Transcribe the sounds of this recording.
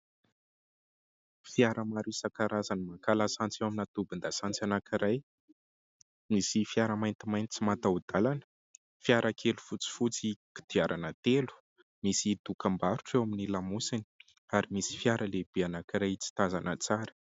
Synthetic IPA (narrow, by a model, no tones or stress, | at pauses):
fiaɾəmaɾusakaɾazanimakalasant͡sewaminat̪ubind̪asant͡sanakiɾaj | misifiaɾəmajnt̪imajnt̪i̥t͡simat̪aud̪̥alanə̥ | fiaɾakʰelufut͡si̥fut͡siki̥d̪̥iaɾʔanət̪elu̥ | misit̪ukambaɾuʈ͡ʂewaminilamusini̥ | aɾimisi̥fiaɾəleb̥eanakiɾajt͡si̥t̪azanət͡saɾə̥